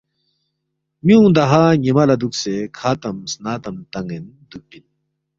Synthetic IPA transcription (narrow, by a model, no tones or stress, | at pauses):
mjũːd̪ɐɦaːɲemɐlɐd̪uksekʰaːt̪ɐmsnaːt̪ɐmt̪ɐŋɡen | d̪uk̚pin